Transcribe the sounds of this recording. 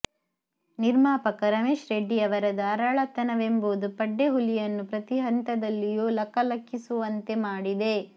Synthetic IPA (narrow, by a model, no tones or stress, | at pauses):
niɾmaːpɐkɐɾɐmeːʃɾeɖːiɐʋɐɾɐd̪ɐːɾɐɭɐt̪ɐnɐʋemboːd̪upɐɖːe̞ɦulijɐnːupɾɐt̪iɦɐnt̪ɐd̪ɐlːijuːlɐkːɐlɐkʰːisuʋɐnt̪emaːɽid̪e̞